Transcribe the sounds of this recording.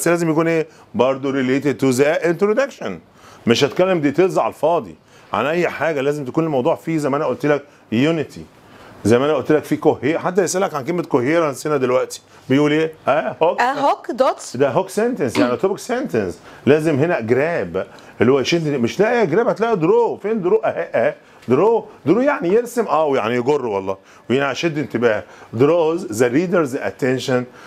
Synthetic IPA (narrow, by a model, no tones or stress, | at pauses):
æsːælæːzemjæk̬uːnʔeː | bɑɾˤd̪ˤuɾeleːt̪ed̪̚t̪uzæʔent̪ɾod̪ækʃon | meʃhæt̪kælːemd̪iet̪elzɑʕalfɑːd̪ˤḭ | ʕa̰nʔæjːħaːɡælæːzemt̪ækuːnelmɑwd̪ˤuːʕfiːzæjmæʔænæʔolt̪elæk̚ | junit̪ḭ | zæjmæʔænæʔolt̪elækfiːkoheːɾħat̪ːæjesʔælækʕankemːæt̪koheːɾˤɑnshenæd̪elwæʔt̪i̥ | bejʔuːlʔeːʔæhokæhokd̪ot̪d̪æɦoksent̪ænsjaʕnit̪opeksent̪ænslæːzemɦenæɡɾæːb | ʔelːwæʔʃed̪meʃlæʔæɡɾæːbhæt̪læʔæd̪ɾoːfeːnd̪oɾuːʔæhæːʔæhæ | d̪ɾoːd̪oɾuːjaʕnijeɾsemʔæːwja̰ʕnijeɡorˤːwɑlˤːɑː | wejenʕaʃed̪ːent̪ebæːhd̪ɾozzæɾiːd̪eɾzʔæt̪ːenʃæn